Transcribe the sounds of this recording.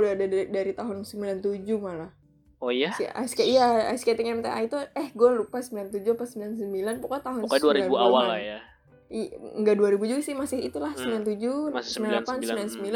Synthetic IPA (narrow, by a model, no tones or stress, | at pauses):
laadadaɾit̪aɦʊnsəmbilant̪ud͡ʒumalah | oasa̰skaijaa̰jsket̪iŋɛmt̪aʔa̰it̪uɛhɡolɾupasəmbilant̪ud͡ʒuapasəmbilansəmbilanpukat̪aɦʊusaduaɾiauawalaja | ŋɡaduaɾibud͡ʒuɡasɪhmasɪit̪ulahsəmbilant̪ud͡ʒusmilanlapansəmbilansəmbila